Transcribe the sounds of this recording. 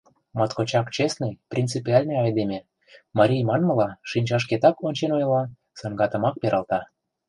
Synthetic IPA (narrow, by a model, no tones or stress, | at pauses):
mɑt̪kot͡ɕɑkt͡ɕesnəjprʲint͡sɨpʲiɑlʲneɑjd̪emʲe | mɑɾʲijmɑnmə̆lɑʃinʲt͡ɕɑʃ̬ket̪ɑkonʲt͡ɕenojlɑ | sɑŋɡɑt̪ə̆mɑk̚peɾʔɑlt̪ɑ